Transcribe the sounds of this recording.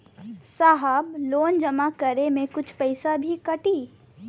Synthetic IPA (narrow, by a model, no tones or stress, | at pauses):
saːɦəbloːnd͡ʒɐmakɐɾemẽkʊt͡ʃʰpɛɪsabʱikɐʈiː